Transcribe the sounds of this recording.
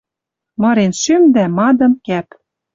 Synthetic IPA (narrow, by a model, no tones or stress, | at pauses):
mɤ̆ɾenʃømd̪æmɑd̪ɤ̆mkæp